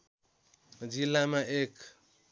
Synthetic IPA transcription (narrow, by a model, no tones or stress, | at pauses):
d͡ʒilːamaʔek